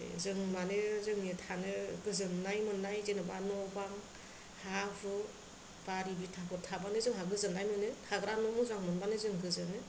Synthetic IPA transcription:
zɯŋmanɯzɯŋetʰanɯɡɯzɯnːajmɯnːajzenɯba̰nɔbaŋ | habʰɯ | b̥aɾibitʰapʰɯtʰabanɯzɯŋɦaɡɯzɯnnajmɯnɯtʰaɡɾanɔmɯzaŋmɯnbanɯzɯŋɡɯzɯnɯ

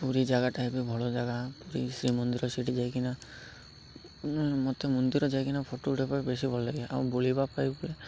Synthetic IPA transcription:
puɾid͡ʒaɡaʈajbibʱɔɭod͡ʒaɡapuɾisɾimɔnd̪iɾɔsiʈid͡ʒajkina | mɔt̪emɔnd̪iɾɔd͡ʒajkinapʰoʈoːʈʰepaibesibʱɔlːeɡeʔã̰bolibapaibule

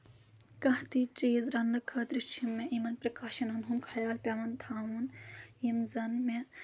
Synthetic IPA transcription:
kɐht̪it͡ʃiːzɾɐnːɨkʰɐːt̪ɾit͡ʃʰimːeʔimɐnpɾɐkaːʃɐnɐnɦunkʰɐjaːlpʲɐʋɐnt̪ʰaːʋunimzɐnme

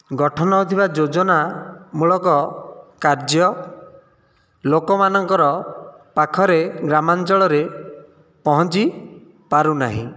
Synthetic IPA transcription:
ɡɔʈʰɔnɔːt̪ʰibad͡ʒod͡ʒɔnamuɭɔkɔkaɾd͡ʒjɔ | lokɔmanɔŋkɔɾɔpakʰɔɾeɡɾamant͡ʃɔɭɔɾe | pɔɦɔnt͡ʃi | paɾunaɦḭ̃

